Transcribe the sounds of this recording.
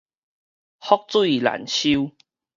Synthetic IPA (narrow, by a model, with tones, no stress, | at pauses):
hɔ˦˥k̚t͡swu˦i˨la̰˨˩nɕi˦u